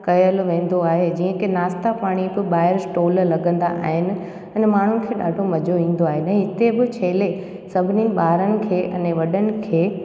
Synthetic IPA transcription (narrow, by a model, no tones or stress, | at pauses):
kɐjəlʋẽːn̆d̪oaːɦed͡ʑĩːə̃kɪnaːst̪apaːɽ̃ibɪɓaːɪɾsʈoːllɐɡə̃nd̪aʔa̰ːɦɪnɪ̆ | ɛ̃nmaːɳ̤unɪ̆kʰeːɗa̰ːɖʱomɐd͡ʑʱoʋĩːn̆d̪oaːɦeñːɦɪt̪ebɪt͡ɕʰeːle | sɐbʱɪniɓaːɾənɪ̆kʰeːʔɐ̰nẽʋɐɗənɪ̆kʰeː